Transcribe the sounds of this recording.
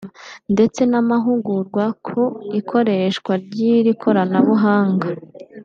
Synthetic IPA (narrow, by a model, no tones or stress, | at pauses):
nde̞t͡se̞namaɦuɡuɾɡwakʰoikʰo̞ɾe̞ʃkwaɾɟiɾikʰo̞ɾanaβuɦaːŋɡa